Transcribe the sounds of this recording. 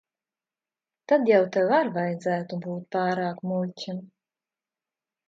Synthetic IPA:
t̪ad̪jawt̪ewaɾvajd̪zæːt̪ubuːt̪̚pɑːɾaːkmulʲtʲim

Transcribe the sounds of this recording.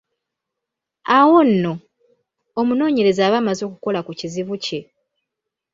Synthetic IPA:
awo̞nːo̞ː | muno̞ːɲe̞ɾe̞zaːβaːmazo̞ːkuko̞lakuciziβuce̞

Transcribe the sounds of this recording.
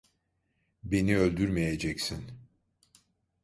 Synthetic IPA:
be̞niølʲd̪yɾmejed͡ʒɛcsin

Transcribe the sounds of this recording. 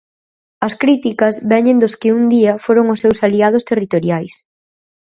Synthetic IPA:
ɐskɾit̪ikɐzβɛɲẽnd̪ʊskɪund̪iɐfoɾoŋʊsːewsaliað̞ʊst̪erit̪oɾjajs

